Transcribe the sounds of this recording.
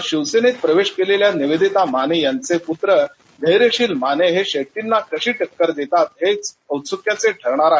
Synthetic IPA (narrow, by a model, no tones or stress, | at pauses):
ɕiʋsenet̪̚pɾəʋeɕkeleljaniʋed̪it̪amanejant͡seput̪ɾə | d̪ʱəjɾeɕiːlmaneɦeɕeʈinːakəɕiːʈəkːəɾd̪et̪at̪ɦet͡s | əwt͡sukjat͡seʈʰəɾɳ̃aɾaɦe